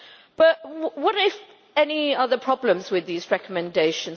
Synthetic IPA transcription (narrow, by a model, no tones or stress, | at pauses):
b̥ʌʔwʌɾɪf | ɛniʌðəpʰɹ̥ɒblə̃mzwɪðiːzɹɛkəmɨ̃ndeɪʃə̃n